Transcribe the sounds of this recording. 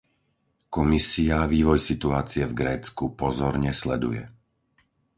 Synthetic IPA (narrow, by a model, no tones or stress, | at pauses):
kɔmisiaʋiːʋɔjsit̪uaːt͡siɛvɡɾɛːt͡skupɔzɔɾɲɛslɛ̰d̪ṵjɛ̰